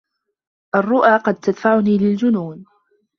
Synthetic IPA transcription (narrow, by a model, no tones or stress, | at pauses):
ʔarˤːʊʔaːqɑd̪̚t̪ad̪faʕʊniːlɪld͡ʒʊnuːn